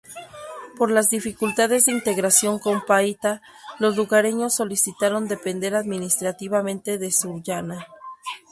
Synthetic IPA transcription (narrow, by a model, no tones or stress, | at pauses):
po̞ɾlazðifikult̪að̞e̞zðeint̪e̞ɣɾasjo̞ŋko̞mpait̪a | lo̞zluɣaɾeɲo̞sːo̞lisit̪aɾo̞nd̪e̞pe̞nd̪e̞ɾaðmĩnist̪ɾat̪iβamẽnt̪e̞ðe̞suʝana